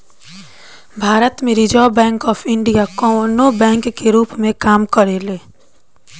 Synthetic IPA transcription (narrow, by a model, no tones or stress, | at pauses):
bʱaːɾət̪mẽɾɪd͡ʒaːbɛ̃ːŋkɔːpʰɪ̃ɳɖijakɔ̃noːbɛ̃ːŋkːeɾuːpmẽkaːmkəɾeleː